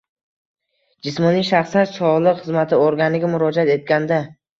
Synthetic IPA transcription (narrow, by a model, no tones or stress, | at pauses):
d͡ʒɪsmɒniʃaχsanʃɒʁlˠɨqχɨzmat̪ʰɪoɾɡʲanɪɡʲamʊɾɒd͡ʒat̪e̞t̪̚ɡʲand̪a